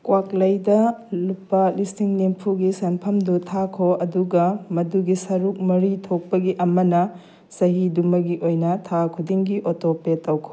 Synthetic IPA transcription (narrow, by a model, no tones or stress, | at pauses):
kwaklɐjdɐlupːɐlistiŋnimpʰuɡisɐnpʰɐmdutʰakʰoɐduɡɐmɐduɡisɐɾuk̚mɐɾitʰok̚pɐɡiʔɐmɐnɐ | sɐɦidumɐɡiʔojnɐtʰakʰudiŋɡiʔotopetɐwkʰo̥